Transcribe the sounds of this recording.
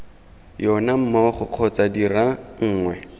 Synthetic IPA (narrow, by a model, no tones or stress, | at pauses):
jɔnam̩mɔχʊq͡χʰɔt͡sadiraŋ̩ːŋwɛ